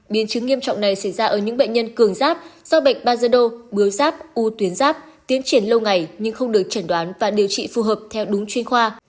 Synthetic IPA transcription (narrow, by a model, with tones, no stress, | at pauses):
ɓi˨˦ənt͡ɕɨ˨˦ŋːi˧əmt͡ɕɔ̰˧˨wŋ͡mna˨˩jsa˧˩jzaː˧ʔəː˧˩ɲɨ̰˧˥ŋɓə̰˧˨ɲ̟ɲə˧nkɨ˧˩əŋzaː˦˥p̚z̥ɔ˧ɓa˨˩jk̟̚ɓaː˧zəː˧ɗo˧ɓɨ˨˦əwzaː˦˥p̚ʔu˧t̪wi˨˦ənzaː˦˥p̚ | t̪i˨˦ənt͡ɕi˧˩ənlə˧wŋa˨˩jɲɨ˧ŋxə˧wŋ͡mɗɨ˨˩ək̚t͡ɕə˧˩nɗwaː˨˦nvaː˨˩ɗi˨˩əwt͡ɕḭ˧˨fu˨˩ɦəː˨˩p̚t̪ʰɛ˧wɗʊ˨˦ŋ͡mt͡ɕwi˧ənxwaː˧